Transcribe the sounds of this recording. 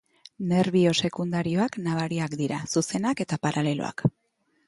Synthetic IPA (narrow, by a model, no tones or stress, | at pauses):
ne̞ɾβio̞se̞kund̪aɾio̞aknaβ̞aɾiakd̪iɾasuse̞nake̞t̪apaɾʔale̞lo̰a̰k